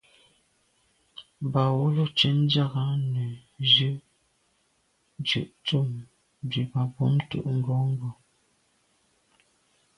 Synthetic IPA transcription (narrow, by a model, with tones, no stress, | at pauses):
ba˨wo˦lo˦t͡ʃe˦n̩˦d͡ʒa˦˨ɣa˦nə˨d͡ʒʉ˦ | d͡ʒʉ˨ʔt͡su˦˨m | d͡ʒi˨ba˨bɔ˦mtṵ˦˨ʔŋ̩˦ɡɔ˨˦ŋ̩˦ɡɔ˨